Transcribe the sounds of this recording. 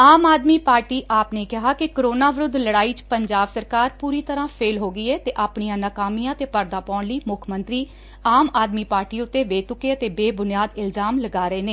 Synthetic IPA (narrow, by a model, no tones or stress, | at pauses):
aːmaːd̪miːpaːɾʈiːʔaːpneːkɪɦaːkɪkəɾoːnaːʋɾʊd̪ʱləɽaːiːt͡ʃpəɲd͡ʒaːbsəɾkaːɾpuːɾiːt̪əɾãːpʰeːlɦoːɡiːɛːt̪eːʔaːpɳijãːnaːkaːmijãːət̪eːpəɾd̪aːpɔːɳləiːmʊkʰmənt̪ɾiː | aːmaːd̪miːpaːɾʈiːʊt̪ːeːʋeːt̪ʊkeːət̪eːbeːbʊnɪjaːd̪ɪlzaːmləɡaːɾəeːneː